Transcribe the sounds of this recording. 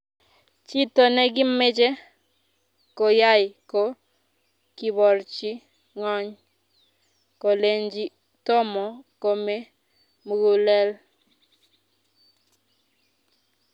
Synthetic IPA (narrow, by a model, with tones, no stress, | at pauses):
t͡ʃi˦to˨nɛ˦ɡɪ˦me˦d͡ʒe˦ | ko˨ja˦jɪ˨ko˦ | ki˨βɔ˨ɾt͡ʃi˦ | ŋɔ˦ɲ | ko˨le˨ɲd͡ʒi˦ | tɔ˦mɔ˨ko˦me˦ | mu˦ɡu˦lɛ˦l